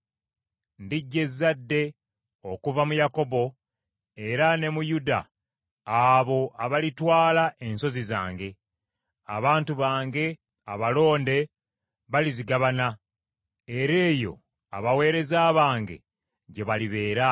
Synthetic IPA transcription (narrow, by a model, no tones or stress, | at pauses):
ndiɟːe̞zːadːe̞ | o̞kuvamujako̞bo̞ | e̞ɾane̞mujuda̰ː | βo̞ʔaβalitwaːlaʔe̞nso̞ziza̰ːŋɡe̞ | a̰βaːntuβaːŋɡe̞ | a̰βalo̞ːnde̞ | βaliziɡaβana | e̞ɾe̞ːjo̞̰ | a̰βawe̞ːɾe̞zaːβaːŋɡe̞̰ | ɟe̞βaliβe̞ːɾa